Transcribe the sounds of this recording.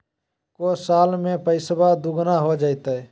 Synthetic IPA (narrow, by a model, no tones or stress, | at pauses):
kosaːlmẽpəɪsbad̪uɡnaɦod͡ʒaːit̪aɛ